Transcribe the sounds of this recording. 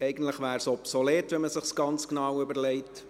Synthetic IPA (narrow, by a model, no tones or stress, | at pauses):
ɛɪɡən̩tləχʋæːɾsɔpsoleːtʋɛməsɪχsɡ̥ɑnt͡sknɑwʏbəɾlɛɪt